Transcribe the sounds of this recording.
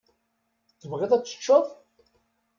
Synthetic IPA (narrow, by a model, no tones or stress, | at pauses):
θːəvʁɪðˤæt͡sːə̥t͡ʃːəðˤ